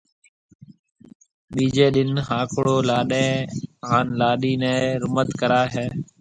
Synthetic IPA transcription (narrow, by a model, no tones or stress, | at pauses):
ɓiːd͡ʒeːɗɪnɦaːkʰɽoːlaːɗɛ̃ːɦaːnlaːɗiːnɛ̃ːɾʊmət̪kəɾaːɦeː